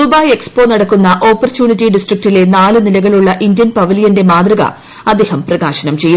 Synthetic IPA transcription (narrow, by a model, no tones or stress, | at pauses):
ubaːje̞kspo̞ːnɐɽɐkːunːɐʔo̞ːpːɐrtjuːɳitːiɖisʈrik̚tile̞naːɭɨnilɐɣɐɭuɭːɐʔindjɐnpɐʋiljɐnde̞maːd̪rɐɣɐ̰ | ɐd̪eːhɐmprɐɣaːɕɐnɐmt͡ɕe̞jːu